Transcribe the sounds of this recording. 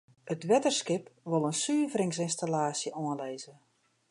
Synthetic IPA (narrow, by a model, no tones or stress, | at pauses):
ətʋɛtərskɪpʋolˠənsyːvɾɪŋsɪnstalaːsjəʔɔə̃nlɛjzə